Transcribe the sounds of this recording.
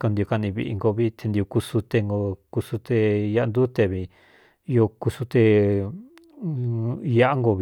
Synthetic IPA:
ko˧nd̪i˧o˧ka˧nĩ˧βḭ˧ʔḭ˧ŋɡo˧βi˦t̪ʰe˧nd̪i˧o˧ku˧su˧t̪e˧ŋɡo˧ku˧su˧t̪e˧ja˧ʔnd̪u˦t̪e˧βi˧ | jo˧ku˧su˧t̪e˧ | ja˦ʔa˦ŋɡo˧β

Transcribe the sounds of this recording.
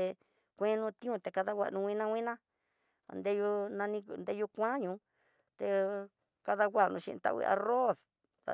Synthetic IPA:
e˧ | kʷẽ˦nũ˧t̪ĩ˦ũ˧t̪e˨ka˧ða˦wʷa̰˧˨ʔnũ˧wʷĩ˦nã˧wʷĩ˦nã̰˦˨ | nd̪e˦ju˧nã˧nĩ˧nd̪e˦ju˧kʷã˦ɲũ˧ | t̪e˧ | ka˧ða˧wʷa˦˨nũ˧ʃḭ˧ʔt̪a̰˧ʔwḭ˧ʔa̰˧ro˦s | a̰˨

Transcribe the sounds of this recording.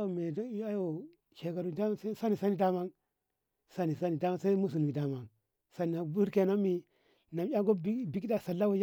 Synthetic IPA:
o˨me˨da˦jo˨ | ʃe˨ka˨ɾu˨da˦ma˦sa˦sa˦ni˨sa˦ni˨da˦ma˦ŋ | sa˦ni˨sa˦ni˨da˦ma˦sa˦i˦mu˦s̬u˨n˨i˨da˦ma˦ŋ | sa˦ni˨a˨bu˦ɾke˨no˦mi˨ | na˨mjʲa˦ŋɡo˦bi˦bi˨˦kda˨sa˨lːa˦wo˦j

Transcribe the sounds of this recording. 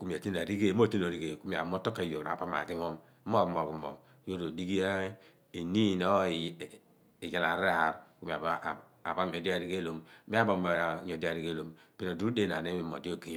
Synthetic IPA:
ku˦mi˨a˨ti˦n˨a˨ɾi˦ɡe˦mo˦˨te˦no˨ɾi˨ɡe˨ku˦mi˨a˨mo˦to˦ka˨jo˨a̰˨ba˦ma̰˨ɡi˦mo˦m˦ | o˦˨mo˨ɡu˨mo̰˨m | jo˦ɾo˨di˦ɡi˦ja˦ | i˨ni˦˨no˦˨ | i˨ja˨la˨ɾa˦˨ɾku˦mi˨a˨˦˨ | a˨ba˦˨o˨di˦a˨ɾi˦ɡe˦lo˨m˦mi˦a˦bo˨m˨ɲo˨di˦a˨ɾi˦ɡe˦lo˨˦m | bi˦no˨du˦ɾu˦de˦na̰˨ne˦mi˦mo̰˨di˦o˦˨ke˦

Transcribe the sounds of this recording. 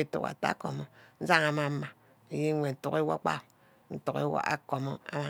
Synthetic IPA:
e˦tṵ˦ka̰˨ta̰˦ko˨mo˦n̩˦za˦ŋa˨ma˨˦ma˨ | e˨ji˦ŋʷe˨n̩˨tu˦ke˦wo̰˦k͡pa̰˦˨ | n̩˦tu˨kḛ˦wo̰˦ʔa̰˦ko˨mo˦a̰˦ma˨

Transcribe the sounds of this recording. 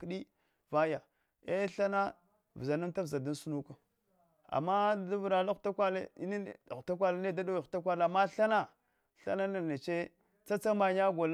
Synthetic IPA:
kɗi˦ | va˦ja˨ | e˦ɬa˦na˦ | vza˨na˦mta˦vza˨da˦n˦su˦nu˦ka˨ | a̰˨mːa˦da˦vɾa˨la˦xta˦kʷa˦le˦n˦˨u˨ta˦k̬ʷa˦la˦ne˦da˦da˦wi˨u̥˨ta˦kʷa˦la˨ma˦ɬa˦na˦ | ɬa̰˦na˦na˨ne˨t͡ʃe˦ | t͡sa˦t͡sa˦ma˨ɲa˦ɡo˨l

